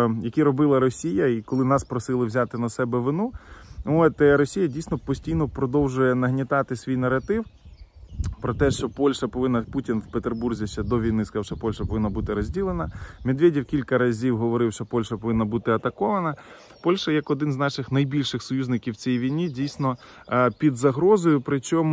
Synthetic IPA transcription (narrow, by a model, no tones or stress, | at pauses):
jɐkʲiɾɔbɪlˠɐɾɔsʲijɐikɔlˠɪnɑspɾɔsɪlˠɪwzʲɑt̪ɪnɐsɛbɛʋɪnuɔt̪ɾɔsʲijɐdʲijsʲnɔpɔsʲtʲijnɔpɾɔd̪ɔwʒʊjɛnɐɦnʲɪt̪ɑt̪ɪsʲʋʲijnɐrɐt̪ɪw | pɾɔt̪ɛʃt͡ʃɔpɔlʲʃɐpɔʋɪnːɐputʲinwpet̪erburzʲiʃt͡ʃɛd̪ɔʋʲijnɪskawʃɛpɔlʲʃɐpɔʋɪnːɐbut̪ɪɾɔzʲdʲilˠenɐmʲed̪ʋʲedʲiwkʲilʲkɐɾɐzʲiwɦɔʋɔɾɪwʃt͡ʃɔpɔlʲʃɐpɔʋɪnːɐbut̪ɪɐt̪ɐkɔʋɐnɐ | pɔlʲʃɐjɐkɔd̪ɪnznɑʃɪxnɐjbʲilʲʃɪxsɔjuzʲnɪkʲiwt͡sʲɛjʋʲijnʲidʲijsʲnɔ | pʲid̪zɐɦɾɔzɔjʊpɾɪt͡ʃɔm